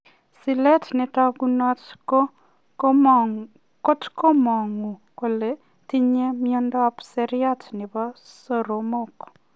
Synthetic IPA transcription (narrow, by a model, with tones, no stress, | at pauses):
si˨lɛ˦tnɛ˨ta˦ɡu˦nɔ˦t | ko˦tko˦mɔ˨ŋu˨ko˨le˨ | ti˦ɲe˦mio˦ndɔ˦psɛɾja˦tnɪ˨ba˦so˨ɾo˨mo˦k